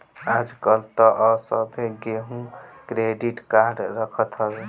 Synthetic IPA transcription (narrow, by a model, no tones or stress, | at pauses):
ad͡ʒkʌlt̪ɔʔʌsʌbʱeɡeɦũkɾeɖiʈkaɾɖɾəkʰət̪ɦʌbe